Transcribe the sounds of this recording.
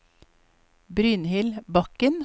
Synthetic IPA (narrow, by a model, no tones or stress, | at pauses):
bɾyːnhɪlbɑkən